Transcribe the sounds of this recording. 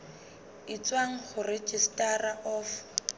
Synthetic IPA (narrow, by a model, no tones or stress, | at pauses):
ɪt͡sʼwaŋ̩χʊrɪt͡ʃistʼaraʔɔːf